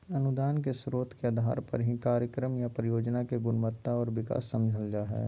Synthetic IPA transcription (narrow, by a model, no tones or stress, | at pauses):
ɐnʊd̪aːnkesɾoːt̪keɐd̪ʱa̰ːɾpɐ̰ɾɦikaːɾjəkɾəmjapɾəjoːd͡ʒnakeɡʊnmət̪ːaɔːɾʋɪka̰ːsːɐ̃md͡ʒʱəld͡ʒaɦɛ̰ː